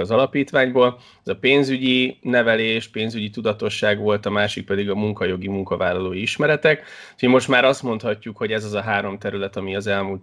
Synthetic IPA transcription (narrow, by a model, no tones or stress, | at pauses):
ɒzɒlɒpiːt̪ʋaːɲboːl | ɛzɒpeːnzyɟinɛvɛleːʃpeːnzyɟit̪ud̪ɒt̪o̞ʃːaːɡʋo̞lt̪ɒmaːʃik̚pɛd̪iɡɒmuŋkɒjo̞ɡimuŋkɒvaːlːɒloːjiiʃmɛɾɛt̪ɛk | imo̞ʃt̪maːɾɒst̪mo̞nt̪hɒcːukho̞ɟɛzɒzɒɦaːɾo̞mt̪ɛɾylɛt̪ɒmiɒzɛlmuːlt̪